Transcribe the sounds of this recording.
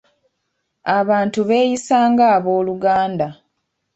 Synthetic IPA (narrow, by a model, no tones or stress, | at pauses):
aβaːntuβe̞ːjisaːŋɡaːβo̞ːluɡaːnda